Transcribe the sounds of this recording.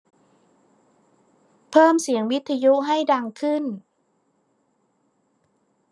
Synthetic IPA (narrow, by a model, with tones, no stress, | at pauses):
pʰɤː˥˩msi˩˦əŋwi˦˥t̪ʰːa˧ju˦˥ʔɦa˥˩jda˧ŋkʰɯ˥˩n